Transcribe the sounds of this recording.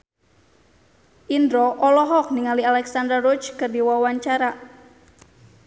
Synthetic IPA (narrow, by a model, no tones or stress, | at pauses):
ʔindɾɔʔɔlɔɦɔk̚niŋalialɛksand̪ɾarɔt͡ʃkərdiwawaɲt͡ʃaɾa